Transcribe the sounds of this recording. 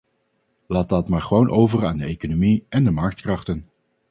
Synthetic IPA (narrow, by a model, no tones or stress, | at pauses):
laːt̚dɑtmaːɹχəʋownʔowvəraːndəejkonomiʔɛndəmɑɹk̚tkrɑχtən